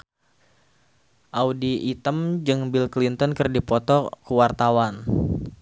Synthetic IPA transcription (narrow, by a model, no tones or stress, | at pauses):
ʔaudiʔːt̪əmd͡ʒɨŋbilklint̪ənkɨrdipɔt̪ɔkəwart̪awan